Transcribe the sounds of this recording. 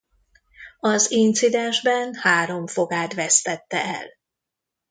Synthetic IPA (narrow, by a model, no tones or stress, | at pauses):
ɒzint̪sid̪ɛnʒbɛnhaːɾo̞ɱfo̞ɡaːt̪vɛst̪ɛt̪ːɛɛ̰l